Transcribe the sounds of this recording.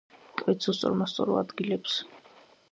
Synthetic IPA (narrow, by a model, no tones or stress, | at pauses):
kʼɾɛt̪sʰɔst̪sʼɔ̰ɾmast̪sʼɔ̰ɾṵad̪ɡilɛps